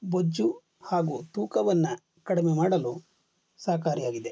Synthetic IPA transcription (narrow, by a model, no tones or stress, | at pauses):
bod͡ʒːu | haːɡut̪uːkɐʋɐnːɐ | kɐɽimemaːɽɐlu | saːkaːɾijaːɡid̪e̞